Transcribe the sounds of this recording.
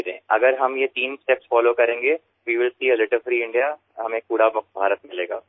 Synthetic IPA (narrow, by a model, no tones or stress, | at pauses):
ɾḛ̃ːʔɐɡəɾɦɐmjet̪iːnsʈɛpsfɔːloːkɐɾẽːŋɡe | ʋiːʋɪlsiːəlɪʈəfɾiːɪ̃ɳɖija | ɦɐmẽkuːɽabɐkbʱaːɾət̪mɪleːɡa̰ː